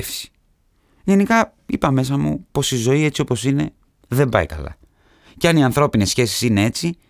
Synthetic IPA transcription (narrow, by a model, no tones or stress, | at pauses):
fsi̥ | ʝe̞nikɐ | ipɐme̞s̬ɐmṵpo̞sizo̞ie̞t͡sio̞po̞sine̞ | ðe̞mbɐ̰ikɐ̰lɐ̰ | ceɐniɐnθɾo̞pine̞sçe̞si̥sine̞e̞t͡si